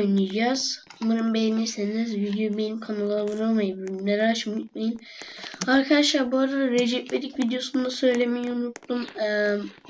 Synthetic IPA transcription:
jnid͡ʒaz̥mɯɾɯmbejnisenizvid̪jobenimkʰanalˠavuɾamajɯbneɾaʃmut̪̚majɯn | aɾkʰaʃlˠaɾbuaɾad̪aɾed͡ʒɛpled̪icvid̪ijo̞sund̪asø̞jlʲemijiunut̪ːum

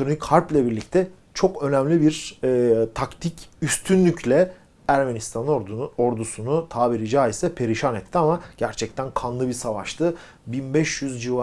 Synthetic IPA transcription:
t̪ɾonikhaɾplʲɛbiɾlʲic̚t̪ʰɛ | t͡ʃʰo̞kø̞næmlʲibiɾː | t̪ʰakt̪ʰicyst̪ʰynlʲycʰlʲɛ | æɾme̞nist̪ʰanoɾd̪usunut̪ʰaːbiɾid͡ʒaːisɛpʰe̞ɾiʃanɛt̪ʰːiamaɟ̥æɾt͡ʃʰɛc̚t̪ʰænkʰanlˠɯbisavaʃt̪ʰɯ | binbɛʃjyzd͡ʒiva

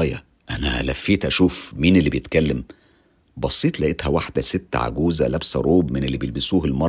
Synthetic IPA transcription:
jæ̰ | ʔænæʔæ̰læ̰fːiːt̪ʔæʃuːfmiːnelːibejet̪kælːæm | bɑsˤːiːt̪ˤlæʔet̪hæwaħd̪æset̪ːʕa̰ɡuːzælæbsɾˤoːbmenelːibejelbɪsuːhelmɑˤ

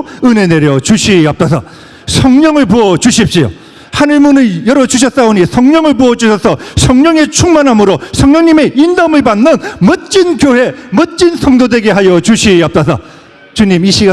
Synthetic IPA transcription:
ɯne̞ne̞ɾjʌt͡ɕuɕʰiʌp̚t͈asʰʌ | sʰʌŋɲʌŋɯɭpoʌt͡ɕuɕʰip̚ɕ͈io̰ | hanɯɭmunɯnjʌɾʌt͡ɕuɕ̬ʰʌt̚s͈aoɲisʰʌŋɲʌŋɯɭpoʌd͡ʑuɕʰʌsʰʌsʰʌŋɲʌŋe̞t͡ɕʰuŋmanɦamɯɾosʰʌŋɲʌŋɲime̞indʌmɯɭpanːɯnmʌt̚t͡ɕ͈inkjoɦe̞mʌt̚t͡ɕ͈insʰʌŋdode̞ɡe̞ɦajʌt͡ɕuɕʰiʌp̚t͈asʰʌ | t͡ɕuɲimiɕʰiɡa

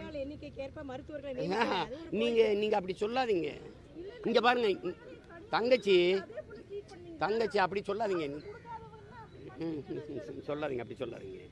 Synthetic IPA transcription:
aːlɛnːɪkʲːɯkeːɾpaːmɐɾɯt̪ːɯʋɐɾɣɐɭnaːaniːŋɡɐniːŋɡɐːp̬ːɐɽisɔlːaːðiːŋɡɐ̰ | ɪŋɡɐpaːɾɯŋɡɐ | t̪ɐŋɡɐt͡ʃːɯ | t̪ɐŋɡɐt͡ʃːɯɐpːɐɽisɔlːaːðiːŋɡɐn | sɔlːaːðiːŋɡɐpːɐɽisɔlːa̰ːðḭːŋɡɐ

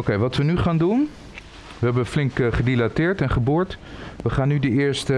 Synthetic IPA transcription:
okejʋɑtʋənyχaːndun | ʋəɦɛbənflɪŋkχədilatɪːɹtɛnχəbʊːɹtʋəχaːnːydəɪːɹstə

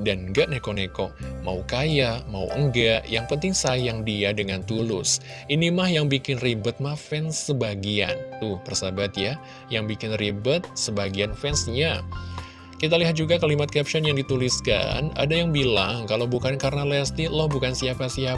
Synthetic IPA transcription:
danŋɡaʔnekonekɔma̰ukajamaṵəŋɡaʔjaŋpənt̪ɪŋsajaŋdiadəŋant̪ulʊ̰s | inimahjaŋbikɪnribət̪̚mahfɛnsːəbaɡia̰nt̪ʊhpərsabat̪ja | jaŋbikɪnribət̪̚səbaɡianfɛnsɲa | kit̪aliɦat̪̚d͡ʒuɡakalimat̪̚kɛp̚ʃɔnjaŋdit̪uliska̰na̰dajaŋbila̰ŋkalawbukankarnalɛst̪ilɔhbukansiapasia

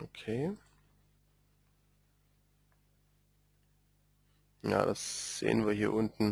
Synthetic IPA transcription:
ʔokʰeː | ja̰ːdasz̥ḛːənviːɐhiːɐʔʊntn̩

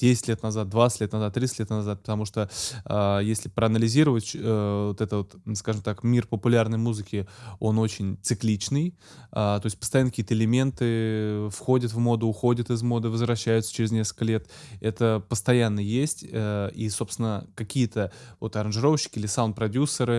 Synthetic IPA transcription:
d̥ʲesʲɪ̥tʲlʲet̪nɐzat̪̚d̪vat̪sɨ̥tʲlʲet̪nɐzat̪t̪ːɾʲit̪sɨtʲlʲet̪nɐzat̪̚pə̥t̪ɐmuʂt̪oajesʲlʲɪpɾəɐnəlʲɪzʲiɾəvətʲəvot̪ɛt̪ət̪skaʐɨmt̪akmʲirpəpʊlʲarnəjmuzɨkʲɪo̞no̞t͡ɕɪnʲt̪sɨklʲit͡ɕnɨj | at̪o̞jsʲt̪̚ʲpəst̪ɐjanəkʲiət̪əɪlʲɪmʲe̞nt̪ɨfxo̞dʲət̪vmo̞d̪əʊxo̞dʲɪt̪ɨzmo̞d̪ɨvəzvɾɐɕːæjʊt̪sə̥t͡ɕɪɾʲɪznʲeskəl̥kəlʲe̞t̪ɛt̪əpəst̪ɐjanːəjesʲtʲəiso̞pst̪ʲɪnəkɐkʲijət̪əvo̞t̪ɐɾənʐɨɾo̞vəɕːɪ̥kʲɪilʲɪsawnt̪̚pɾɐdʲusːəɾɨ

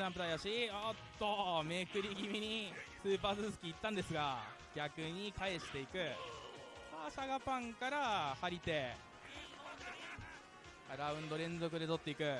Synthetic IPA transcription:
ãmpɯt̪aijaɕiat̪ːo̞mekɯ̟ɾʲiɡʲimʲiɲ̟isɨːpaːzɨsɨ̥kʲiːt̪ːãnd̪e̞sɨɡa | ɡ̥ʲakɯ̟ɲ̟ikae̞ɕi̥t̪e̞ikɯ̟ | aɕaɡapãŋkaɾahaɾʲit̪e̞ | ɾaɯ̟̃nd̪o̞ɾẽ̞nd͡zo̞kɯ̟d̪e̞t̪o̞t̪ːe̞ikɯ̟

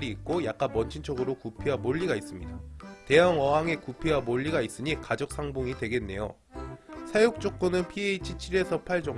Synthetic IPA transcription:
ɾiːk̚k͈ojak̚k͈anmʌnt͡ɕʰint͡ɕʰʌɡɯɾokupʰiwamoʎːiɡais͈ɯmɲidate̞jʌŋʌɦaŋe̞kupʰewamoʎːiɡais͈ɯɲikad͡ʑʌk̚s͈aŋboŋidwe̞ɡe̞nːe̞̰jo̰ | sʰajok̚t͡ɕ͈ok̚k͈onɯnpʰieit͡ɕʰit͡ɕʰiɾe̞sʰʌpʰaɭd͡ʑʌŋ

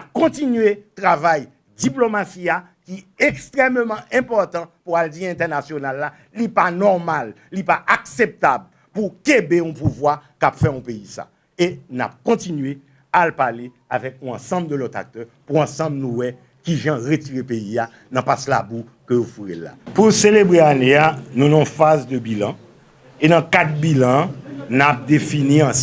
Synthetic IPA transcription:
nap̚kɔ̃tinɥet̪ʁavaj | diplomasia | kiɛkst̪ʁɛmmɑ̃ʔɛ̃pɔʁt̪ɑ̃puald͡ziɛ̃t̪ɛʁnasjonalːa | lipanɔʁmalːipaʔaksep̚t̪ab | pukebeũpuvwakapfɛɔ̃peisa̰ | ena̰p̚kɔ̃tinɥe | alpale | avɛkɔ̃ɑ̃sɐ̃bld̪əlɔt̪a̰k̚t̪œ | puɑ̃sɑ̃bnũwɛ | kiʒãʁetiʁepejia | nɐ̃pasla̰bu | køjofuʁelːa̰puselebʁeaneanũnãɔ̃fazd̪əbilɑ̃ | enɐ̃kat̪̚bilãnap̚d̪efiniã

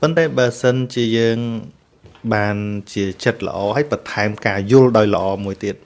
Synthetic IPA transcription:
pont̪aɛɓaəsənt͡ɕiəjəːŋ | ɓaːnt͡ɕiət͡ɕət̪̚lə̰̆ʔɑːhəːəjpɑt̪ʰaɛmkaːjʊ̆əlɗaɔjlə̆ʔɑːmuəjt̪iət̪̚

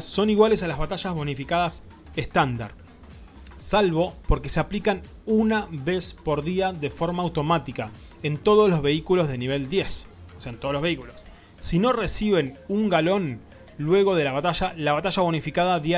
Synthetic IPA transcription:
o̞niɣwale̞salazβat̪aʒazβo̞nifikaðas | eht̪and̪a̰ɾ | salβo̞po̞ɾke̞seaplikanunaβe̞spo̞ɾðiaðe̞fo̞ɾmaːwt̪o̞mat̪ika | ent̪o̞ð̞oslo̞zβe̞ikulo̞zðe̞niβ̞e̞ld̪je̞s | oseaent̪oloβeikulosː | ino̞resiβe̞nuŋɡalo̞n | lwe̞ɣo̞ð̞e̞laβat̪aʒalaβat̪aʒaβo̞nifikaðaðja

